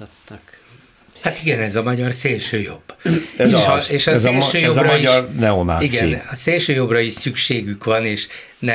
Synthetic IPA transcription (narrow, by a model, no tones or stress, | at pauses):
hat̪iɡɛnɛzɒmɒɟɒrseːlʃøːjo̞̰bːeʃɒeːʃɒsːlʃøːjozrɒɒiʃɒrnɛona̰ːiɡɛinɒseːlʃøːjo̞brɒiʃsykʃeːɡykʋɒneːʃ | nɛ